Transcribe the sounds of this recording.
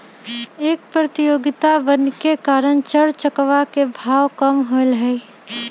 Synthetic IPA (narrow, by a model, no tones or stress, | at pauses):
eːk̚pɾɐt̪ɪjoːɡɪt̪aʋənkekaːɾənt͡ʃəɽt͡ʃəkʋakebʱaːʋkəmɦolɦɛ